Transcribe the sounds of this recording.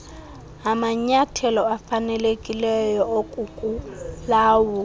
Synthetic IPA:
amaɲatʰɛlɔafanɛlekʼilɛjɔokʼukʼulaːwɔ

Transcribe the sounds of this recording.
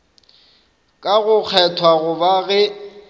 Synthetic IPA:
kʼaɣʊk͡xʰɛtʰwaɣʊbaɣɛ

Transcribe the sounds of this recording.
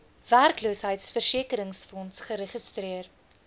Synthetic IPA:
værkluəsɦəjtsfərsiəkəɾəŋsfɔnsχəɾəχəstriər

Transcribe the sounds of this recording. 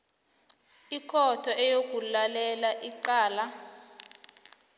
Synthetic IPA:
ikʰɔtʰɔʔɛjok̬ulalɛlaʔiǃaːla

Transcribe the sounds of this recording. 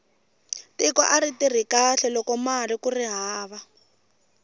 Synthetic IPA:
tikɔ̰ʔaritir̤ikaɬɛlɔkɔmarikuriɦaːβa

